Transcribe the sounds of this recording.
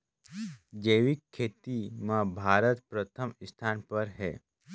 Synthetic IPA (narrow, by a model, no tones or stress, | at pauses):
d͡ʒəːʋikʰːeːt̪imãbʱaːɾət̪pɾət̪ʰəmɪst̪ʰaːnpəɾɦɛ̰ː